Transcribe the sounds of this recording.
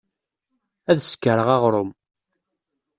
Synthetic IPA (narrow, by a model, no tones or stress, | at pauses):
æðsə̥kːəɾəʁɑʁɾˤʊm